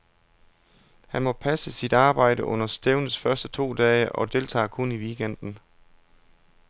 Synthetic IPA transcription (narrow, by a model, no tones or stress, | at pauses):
hænmɒ̽pʰæsəsid̥ɑ̈ːb̥ɑ̈ɪ̰d̥əʔɔ̽n̰ɐsd̥eʊnðˠsfɶɐsd̥ət͡sʰo̝̰ːd̥ɛːəʔɒ̽d̥e̝lt͡sʰɑ̰̈ːkʰoniʋiɡ̥en̰d̥n̩